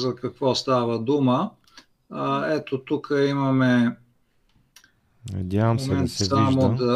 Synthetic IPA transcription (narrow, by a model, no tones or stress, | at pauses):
zɐkɐkvɔst̪avəd̪umə | ɛt̪ot̪ukʰəimɐmɛ | nɐ̰d̪ʲjavəmsmɛɛɐtsɛsvamod̪ɐ